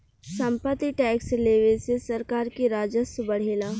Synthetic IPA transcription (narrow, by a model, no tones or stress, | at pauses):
sɐ̃mpət̪ːiʈɛːksleːʋesesɐɾkaːɾkiɾaːd͡ʒəsəbɐɽ̤eːlaː